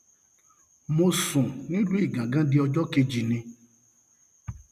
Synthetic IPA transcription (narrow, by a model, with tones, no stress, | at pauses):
mo˧sũ˨nĩ˦lu˦i˦˨ɡã˨ɡã˦di˦ɔ˧d͡ʒɔ˦ke˧d͡ʒi˨nĩ˧